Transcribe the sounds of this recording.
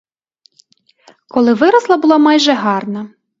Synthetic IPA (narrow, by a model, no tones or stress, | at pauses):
kɔlˠɪʋɪɾɐslˠɐbʊlˠɑmɑjʒɛɦɑrnɐ